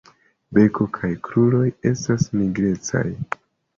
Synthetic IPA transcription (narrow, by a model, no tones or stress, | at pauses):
be̞ko̞kʰajkʰɾulo̞je̞stasmiɡɾe̞t͡sa̰j